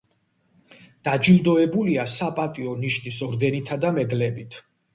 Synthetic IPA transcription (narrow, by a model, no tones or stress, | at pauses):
d̪̥ad͡ʒild̪ɔɛbuliasapʼat̪ʼiɔniʃnisɔɾd̪ɛnit̪ʰad̪amɛɡlɛbit̪ʰ